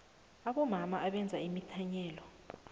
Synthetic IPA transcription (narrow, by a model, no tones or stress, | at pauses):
aɓɔmamaʔaɓɛnd͡zʱaimitʰaɲɛːlɔ